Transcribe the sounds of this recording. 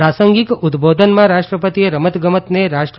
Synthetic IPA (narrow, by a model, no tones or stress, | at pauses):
asəŋɡikud̪bod̪ʱənmãɾaʃʈɾəpət̪ieɾəmət̪ɡəmət̪neɾaʃʈ